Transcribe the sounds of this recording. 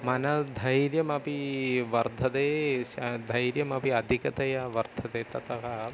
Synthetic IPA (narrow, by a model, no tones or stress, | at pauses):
mɐnɐd̪ʱɐjɾjɐmɐpiʋɐɾd̪ʱɐd̪eː | d̪ʱɐjɾjɐmɐpiɐd̪ʱikɐt̪ɐjɐʋɐɾd̪ʱɐd̪eːt̪ɐt̪ɐɦɐ